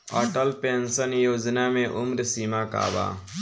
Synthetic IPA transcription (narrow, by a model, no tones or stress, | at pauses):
ɔ̰ːʈəlpeːnsənjoːd͡ʒnamẽʔʊmɾsiːmaka̰ːba̰ː